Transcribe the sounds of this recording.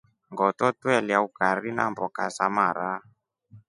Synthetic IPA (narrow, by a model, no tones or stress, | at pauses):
ŋɡɔtɔtwɛliaukaɾina̰mbɔkasamaɾa